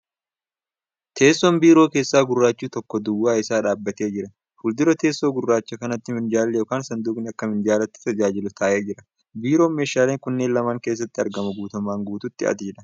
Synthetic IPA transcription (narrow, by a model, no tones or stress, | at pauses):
t̪ʰe̞ːsːɔnbiːɾo̞ːke̞ːsːaːɡʊrːaːt͡ʃːuːt̪ɔkːɔd̪ʊwːaːɪsaːᶑaːbːɐt̪e̞ːd͡ʒɪɾɐ | fʊld̪ɪɾɔt̪e̞ːsːo̞ːɡʊrːaːt͡ʃːɐkɐnɐt̪ːɪmɪnd͡ʒaːlːɛjo̞ːkaːnsɐnd̪uːkʼnɪɐkːɐmɪnd͡ʒaːlɐt̪ːɪ̥t̪ɐd͡ʒaːd͡ʒɪlʊt̪ʰaːʔe̞ːd͡ʒɪɾɐ | biːɾo̞ːme̞ːʃaːleːŋkʊnːeːnlɐmaːŋke̞ːs̬ːɐt̪ːɪɐɾɡɐmɐɡuːt̪ɐmaːŋɡuːt̪ʊt̪ːɪ̰ʔɐ̰t̪ɪd͡ʒɪᶑɐ